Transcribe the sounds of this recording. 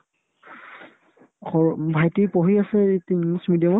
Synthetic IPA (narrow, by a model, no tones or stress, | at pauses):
xɔbʱajtipɔɦiasɛtimsmidijamɔ